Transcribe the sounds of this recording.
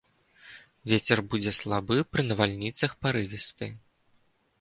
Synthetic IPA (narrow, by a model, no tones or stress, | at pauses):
vʲet͡sʲɛrbud͡zʲɛslˠabɨpɾɨnɐvalʲnʲit̪sɐxpaɾɨvʲist̪ɨ̰